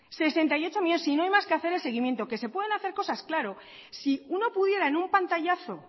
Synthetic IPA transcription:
se̞se̞nt̪ajo̞t͡ʃo̞mjonsino̞ajmaske̞aθe̞ɾe̞lse̞ɣimje̞nt̪o̞ke̞se̞pweðe̞naθe̞ɾko̞sasklaɾo̞ | siuno̞puðje̞ɾaenumpant̪aʝaθo̞

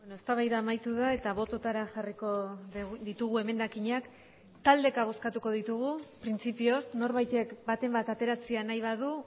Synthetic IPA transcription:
benoest̪aβajðaːmajt̪uðae̞t̪aβo̞t̪ot̪aɾaʝarikoðit̪uɣ̞ue̞me̞nd̪akiɲak | t̪ald̪e̞kaβ̞oskat̪uko̞ð̞it̪uɣ̞upɾint͡sipio̞sno̞ɾβajt̪e̞kbat̪e̞mbat̪at̪e̞ɾat͡sianajβ̞aðu

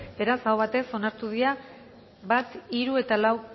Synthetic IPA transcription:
be̞ɾasawβat̪e̞so̞naɾt̪uðia | βat̪iɾue̞t̪alaw

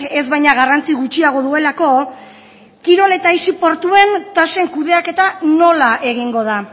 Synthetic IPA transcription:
e̞zβajɲaɣ̞arant͡siɣ̞ut͡ʃiaɣ̞o̞ðue̞lako̞ | kiɾo̞le̞t̪ajsipo̞ɾt̪ue̞nt̪ase̞ŋkuðe̞ake̞t̪ano̞laʔe̞ɣ̞iŋɡo̞ð̞a

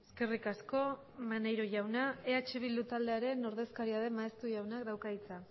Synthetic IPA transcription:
eske̞rikasko̞ | manejɾoʝawnae̞at͡ʃe̞βild̪ut̪ald̪e̞aɾe̞no̞ɾðe̞skaɾiað̞e̞maest̪uʝawnakd̪awkait͡sa

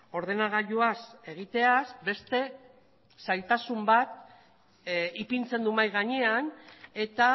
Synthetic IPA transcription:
o̞ɾðe̞naɣ̞aʎuase̞ɣ̞it̪e̞asbe̞st̪e̞ | sajlt̪asumbat̪ | ipint͡se̞nd̪umajɣaɲe̞ane̞t̪a

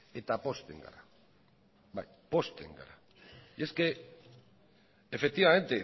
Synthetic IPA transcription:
e̞t̪apo̞st̪ḛŋɡa̰ɾa̰ | baj | po̞st̪ḛŋɡa̰ɾa | ie̞ske̞ | efek̚t̪iβame̞nt̪e

